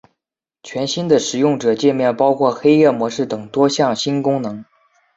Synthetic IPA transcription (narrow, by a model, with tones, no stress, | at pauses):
t͡ɕʰɥɛ˧˥nɕi˥nd̪ə˨ʂɻ̩˨˩jʊ˥˩ŋʈ͡ʂɤ˨˩t͡ɕjɛ˥˧nmjɛ˥˩npɑ˥ʊkʰwɔ˥˩xe˥ɪjɛ˥˩mwɔ˧˥ʂɻ̩˥˩t̪ɤ˨˩ŋt̪wɔ˥ɕjɑ˥˩ŋɕi˥nkʊ˥ŋnɤ˧˥ŋ